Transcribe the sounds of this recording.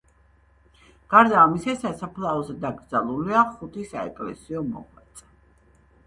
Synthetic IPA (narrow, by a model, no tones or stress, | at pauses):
ɡ̥aɾd̪aːmisasasapʰlˠaɔzɛd̪aɡɾd̪zalˠuliaχut̪ʰisaɛ̰kʼlɛ̰siɔmɔ̰ʁwɛt̪sʼɛ